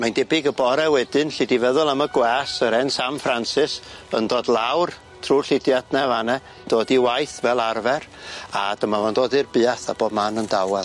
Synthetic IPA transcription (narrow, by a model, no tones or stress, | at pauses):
mandɛbɪɡəbɔɾɛwɛdɨnɬɪdivɛðʊlˠəməɡwɛsəɾɛnsamfransɪsə̰ndoːdlˠawr | tʰruːɬɪdjadnɛvanɛ | d̥oːdiwajθvɛlˠarvɛra̰d̥əmavandoːdirbɨːaθaboːdmanəndawɛ